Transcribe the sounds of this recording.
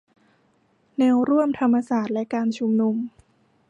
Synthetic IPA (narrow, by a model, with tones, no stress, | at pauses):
nɛː˧wɾu˥˩əmt̪ʰa˧mːa˧saː˨˩t̪̚lɛ˦˥kaː˧nt͡ɕʰu˧mnu˧m